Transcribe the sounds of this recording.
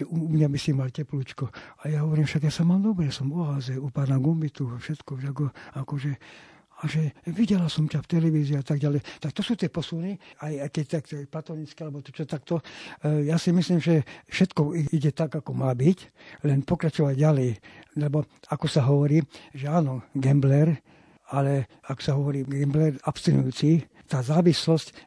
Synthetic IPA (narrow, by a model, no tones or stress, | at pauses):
uumɲabisimalcɛpluːt͡ʃkɔajaɦɔʋɔɾiːmfʃaɡjasamaːmd̪ɔbɾɛsɔmɔaːzɛupaːnaɡɔmbit̪ufʃɛt̪kɔʃakɔakɔʒɛ | aʒɛʋiɟɛlasɔmcaft̪ɛlɛʋiziːat̪aɡ̚ɟalɛjt̪ak̚t̪ɔsuːt̪ɪiɛpɔsuniajakɛct̪akt̪ɛplat̪ɔɲit͡skialɛbɔt̪ɔt͡ʃɔt̪akt̪ɔjasimisliːmʒɛfʃɛt̪kɔiiɟɛt̪aɡakɔmaːbic | lɛnpɔkɾat͡ʃɔʋaɟɟalɛjlɛbɔakɔsaɦɔʋɔɾiːʒɛaːnɔɡɛmblɛɾ | alɛ | aksaɦɔʋɔɾiːɡɛmblɛɾapst̪inujuːt͡si | t̪aːzaːʋislɔsc